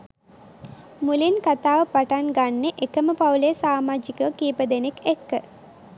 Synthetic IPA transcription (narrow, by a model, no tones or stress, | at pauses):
mulinkat̪aːʋəpaʈanɡanːeʔekəməpawlejəsaːmaːd͡ʒikəʋəkiːpəd̪enekʰekːə